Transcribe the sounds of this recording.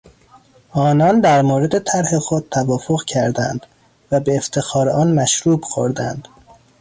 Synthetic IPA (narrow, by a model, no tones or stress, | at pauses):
ʔɒːnɒːnd̪æɾmoːɾe̞d̪e̞t̪ʰæɾhe̞xod̪̚t̪ʰævɒːfoɣcʰæɾd̪ænd̪̥ | væbeːft̪ʰe̞xɒːɾeɒːnmæʃɾuːbxo̰ɾd̪æ̰nd̪̥